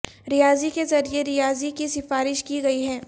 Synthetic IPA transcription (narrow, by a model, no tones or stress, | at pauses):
ɾɪjaːzikezɐɾieɾijaːzikisɪfaːɾɪʃkiɡɐiɦɛː